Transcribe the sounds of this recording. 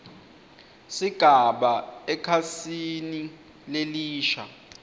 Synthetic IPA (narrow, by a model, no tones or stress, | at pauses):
siɡ̥ʱaɓaɛkʰasini | leliːʃa̰